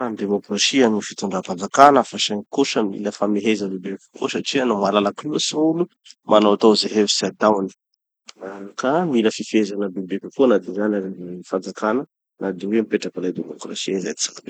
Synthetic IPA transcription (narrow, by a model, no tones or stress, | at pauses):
and̪emokrasianufi̥t̪uɳɖ͡ʐapand͡zakanafaʃanikuʃəmḭləfameɦezəbiblikʲə̥ko̰saʈ͡ʂianomalalakusaulu | mʔanowat̪owzeɦevisiat̪awani̥ | akamiləfifezanəbiblikʲəkonad̪ianafand͡zakanə | nad̪iwemipeʈ͡ʂakəlad̪emokrasiaizaj̪t͡sḁk